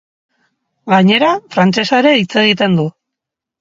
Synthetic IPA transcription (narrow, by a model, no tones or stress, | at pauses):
ɡaɲe̞ɾafɾant͡ʃe̞saeɾe̞it͡se̞ɣit̪e̞nd̪u